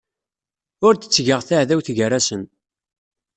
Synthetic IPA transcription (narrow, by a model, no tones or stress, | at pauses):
ʊɾt̪ə̥t͡sːʝəʁθaʕðæwθʝəɾæsən